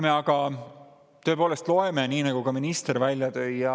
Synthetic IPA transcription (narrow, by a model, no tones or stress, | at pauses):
meɑɡ̥ɑ | t̪ø̞e̞po̞ːle̞st̪lo̞e̞me̞niːnɑɡ̥ukɑminist̪eɾvælʲjɑt̪ø̞jːɑ